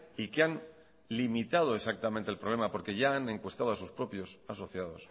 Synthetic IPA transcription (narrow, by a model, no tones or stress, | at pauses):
ikean | limit̪að̞o̞e̞sak̚t̪ament̪elpɾo̞β̞le̞mapo̞ɾke̞ʝaːne̞ŋkwe̞st̪aðoasuspɾo̞pjo̞saso̞θjað̞o̞̰s